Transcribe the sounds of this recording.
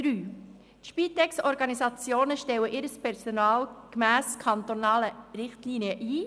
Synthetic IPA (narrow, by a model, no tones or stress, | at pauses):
d̥ɾyː | tʃpit̪ɛksɔɾɡɑnisɑt͡sjoːnəʃtɛwəʔɪɾəspʰɛɾsonɑːlkmæːskʰɑnt̪onɑːləɾɪχtliniəʔiː